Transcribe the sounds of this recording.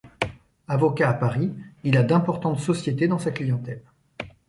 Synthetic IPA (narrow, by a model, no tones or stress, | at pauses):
avɔkaːpaʁiilad̪ɛ̃pɔʁt̪ɑ̃t̪sɔsjet̪ed̪ɑ̃saklijɑ̃t̪ɛl